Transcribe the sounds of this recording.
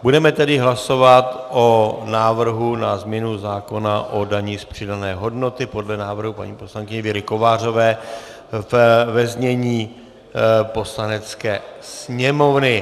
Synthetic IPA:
budɛmɛt̪ɛdɪɦlaso̞vat̪ʔonaːvr̩ɦunazmɲɛnuzaːko̞naʔo̞daɲiːspr̝̥ɪdanɛːɦo̞dno̞t̪ɪpo̞dlɛnaːvr̩ɦupa̰ɲḭːpo̞slaŋkɪɲɛvɪɾɪko̞vaːr̝o̞vɛː | vvɛzɲɛɲiː | po̞slanɛt͡skɛːsɲɛmo̞vnɪ

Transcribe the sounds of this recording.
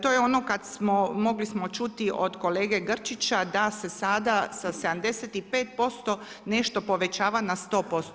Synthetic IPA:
t̪o̞ːjeo̞no̞kad̪smomo̞ɡlismo̞t͡ʃut̪iʔo̞d̪ko̞le̞ːɡe̞ɡr̩t͡ʃit͡ɕad̪ase̞sad̪asase̞d̪amd̪e̞set̪ipe̞ːt̪̚po̞st̪o̞ | ne̞ʃt̪o̞po̞ʋe̞t͡ɕaːʋanast̪o̞ːpo̞st̪

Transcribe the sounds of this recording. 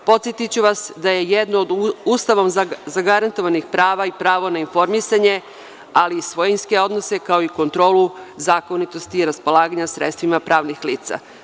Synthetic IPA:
po̞t̪sjet̪it͡ɕuʋasd̪aje̞jed̪noːd̪uːst̪aʋomzaɡaɾant̪o̞ʋanixpɾaːʋaipɾaːʋo̞nainfo̞ɾmisaɲe̞ | aliːsʋo̞jinske̞o̞d̪nose̞kao̞iko̞nt̪ɾo̞ːluzaːko̞nit̪o̞st̪iːɾaspo̞lˠaːɡaɲasɾet̪st̪ʋimapɾaːʋnixliːt̪sa̰

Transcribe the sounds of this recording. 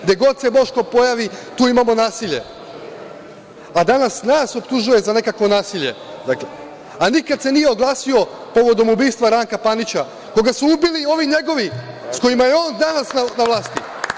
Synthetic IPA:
ɡd̪e̞ɡo̞d̪̚sebo̞ʃkopo̞jaʋit̪uːimamo̞naːsiʎe̞̰ | ad̪anasnaːso̞pt̪uʒuje̞zane̞kakʋo̞naːsiʎe̞ | d̪ake | anikad̪se̞nije̞oɡlˠaːsio̞po̞ʋo̞d̪o̞mubiːst̪ʋaɾaŋkapanit͡ɕa | ko̞ɡasuubilio̞ʋiɲe̞ɡo̞ʋi | sko̞jimajeo̞ːnd̪anasnanaʋlˠaːst̪ḭ

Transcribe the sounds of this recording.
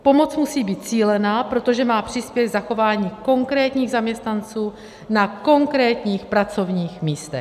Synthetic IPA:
po̞mo̞t͡smusiːbiːt̪̚t͡siːlɛnaːpɾo̞t̪o̞ʒɛmaːpr̝̥ɪspjɛɡzaxo̞vaːɲiːko̞ŋkɾɛːt̪ɲiːɣzamɲɛst̪nant͡suː | nako̞ŋkɾɛːt̪ɲiːxpɾat͡so̞vɲiːxmiːst̪ɛ

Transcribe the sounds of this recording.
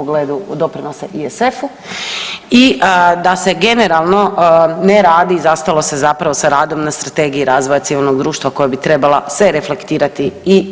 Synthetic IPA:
oɡleːd̪ud̪o̞pɾinosaʔiesefu | id̪ase̞ɡe̞ne̞ɾalˠno̞neɾaːd̪iːzast̪alo̞se̞zapɾaʋo̞saɾaːd̪o̞mnast̪ɾat̪eɡijiɾaːzʋo̞jat̪siʋilˠno̞ɡd̪ɾuːʃt̪ʋako̞jabit̪ɾe̞balˠasʋe̞ɾe̞flekt̪iːɾat̪ii

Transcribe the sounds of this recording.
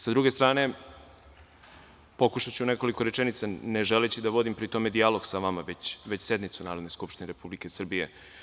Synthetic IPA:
sad̪ɾuɡe̞st̪ɾaːne̞ | po̞kuʃat͡ɕuneko̞likoɾet͡ʃenit̪saneʒelet͡ɕid̪aʋo̞d̪impɾit̪o̞me̞d̪ialˠoɡsaʋamaʋet͡ɕʋe̞t͡ɕse̞d̪mit̪sunaːɾo̞d̪neskupʃt̪ineɾepublike̞sr̩bijḛ

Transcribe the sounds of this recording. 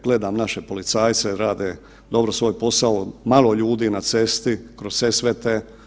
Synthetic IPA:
ɡ̥le̞d̪aːmnaʃepo̞lit̪saːjt̪seɾaːd̪e | d̪o̞bɾosʋo̞ːjpo̞saomalo̞ʎuːd̪iːnat̪se̞st̪ikɾossesʋet̪e

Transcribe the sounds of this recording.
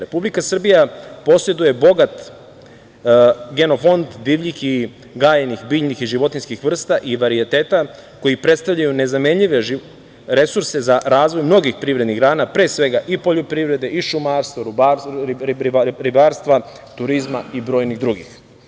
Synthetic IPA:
ɾe̞publikasr̩bijapo̞se̞d̪uje̞bo̞ɡat̪ | ɡe̞no̞fo̞nd̪d̪iːʋʎixi | ɡaːjenixbiːʎnixiʒiʋo̞t̪inskixʋr̩st̪aʔiʋaɾiet̪e̞ːt̪ako̞jipɾet̪st̪aʋʎajune̞znamemʎiʋe̞ʒ | ɾe̞suɾse̞zaɾaːzʋo̞jmno̞ɡixpɾiːvɾed̪niɡɾaːnapɾe̞ːsʋe̞ɡaʔipo̞ʎopɾiʋɾe̞d̪e̞ʔiʃumaːɾst̪ʋoɾuba | ɾiɾibaːɾst̪ʋa | t̪uɾizmaibɾo̞ːjniɣd̪ɾuɡix

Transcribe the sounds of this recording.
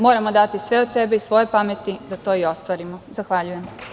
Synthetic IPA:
mo̞ːɾamo̞d̪at̪isʋe̞od̪se̞beisʋo̞je̞pame̞t̪id̪at̪o̞ːio̞st̪ʋaːɾimozaxʋaʎuje̞m

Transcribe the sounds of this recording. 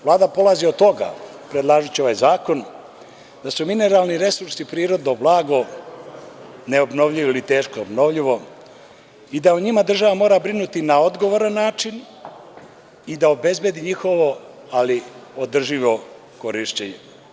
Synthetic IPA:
ʋlˠaːd̪apo̞lˠaziod̪t̪o̞ɡa̰ | pɾed̪lˠaːʒut͡ɕioʋaːjzaːko̞n | d̪asumine̞ɾaːlˠniɾe̞suɾsipɾiːɾo̞d̪noblˠaːɡo̞ | neobno̞ʋʎiʋoilit̪e̞ːʃkoobno̞ʋʎiʋo̞ | id̪auɲimad̪r̩ʒaʋamo̞ːɾabɾinut̪inao̞d̪ɡoʋoɾanːaːt͡ʃin | id̪aobe̞zbe̞d̪iɲixo̞ʋo̞ | aliod̪r̩ʒiʋo̞ | ko̞ɾiʃt͡ɕeɲe

